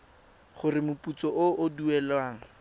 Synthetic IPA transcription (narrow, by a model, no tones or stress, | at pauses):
χʊrɪmʊput͡sɔʔʊʔʊduɛlwaːŋ̩